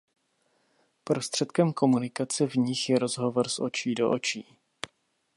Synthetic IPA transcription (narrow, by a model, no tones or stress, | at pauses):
pɾo̞st̪r̝̥ɛt̪kɛmko̞munɪkat͡sɛvɲɪxjɛɾo̞zɦo̞vo̞ɾsʔo̞̰t͡ʃiːdo̞̰ʔot͡ʃiː